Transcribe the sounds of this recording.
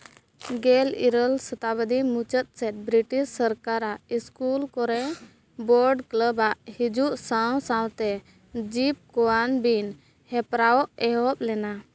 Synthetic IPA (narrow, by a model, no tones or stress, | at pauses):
ɡɛlḭɾəlsət̪abəd̪imut͡ʃət̪̚ˀsɛt̪̚ˀbɾiʈisːəɾkaɾaʔiskulkɔɾɛ | bɔɾɖkləbaʔhid͡ʒuʔsawsãlt̪ɛ | d͡ʒip̚kɔwanbin | hɛpɾaɔʔɛɦɔp̚lɛna